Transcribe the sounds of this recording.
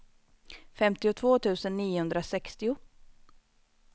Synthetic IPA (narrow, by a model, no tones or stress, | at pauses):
fɛmt̪ɪʊt̪ʰvoːt̪ʰʉ̟ːsənːiːʊhɵnd̪ɾasɛkst̪ɪʊ